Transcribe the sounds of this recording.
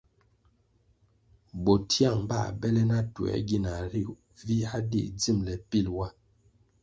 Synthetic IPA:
bo˨tʰi˦a˦˨ŋba̰˦˨bɛ˦lɛ˦na˦tu˨ɛ̰˨ɡi˦˨na˨ɾi˦˨ | vi˦a˦dḭ˦˨d͡zi˦˨mlɛ˨pi˦˨lwa˦

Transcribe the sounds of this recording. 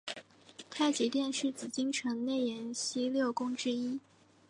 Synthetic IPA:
t̪ʰa˥˩ɪt͡ɕi˧˥t̪jɛ˥˧nʂɻ̩˥˩t͡sɹ̩˨˩t͡ɕi˥ŋʈ͡ʂʰɤ˧˥ŋne˥˩ɪjɛ˧˥nɕi˥ljo˥˩ʊkʊ˥ŋʈ͡ʂɻ̩˥i˥

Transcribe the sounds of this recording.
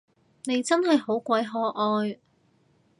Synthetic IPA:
ne˨˧jt͡sɐ˥nɦɐ˨jɦo˨˥wkʷɐ˨˥jɦɔː˧ʔɔː˧j

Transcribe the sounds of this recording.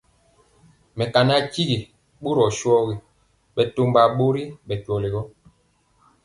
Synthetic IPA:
mɛ˨ka˨na˦t͡ʃi˦ɣi˨ | ɓo˦ɾɔ˨ʃwɔ˦ɣi˨ | ɓɛ˨to˦mba˨ɓo˦ɾi˦ɓɛ˨tɔ˨le˨ɣɔ˦

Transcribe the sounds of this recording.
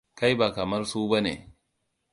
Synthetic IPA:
ka˦jba˨kɐ˨mɐ˦rsuː˦ba˦nḛː˨

